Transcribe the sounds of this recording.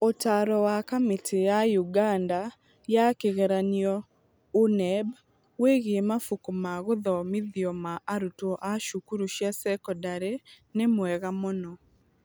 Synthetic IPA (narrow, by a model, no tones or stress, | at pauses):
otaɾɔwakametʰejajuɡanda | jakeɣɛɾaniɔ | unɛb | weɣeemafukumaɣoðɔmɪðiɔmaʔaɾutɔʔaʃukuɾuʃjasɛkɔdaɾe | nemwɛɣamonɔ